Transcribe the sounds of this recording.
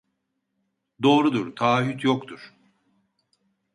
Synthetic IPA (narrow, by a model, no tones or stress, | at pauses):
d̪o̞ːɾud̪uɾt̪ʰaːɦyt̪ʰjokt̪ʰuɾ̥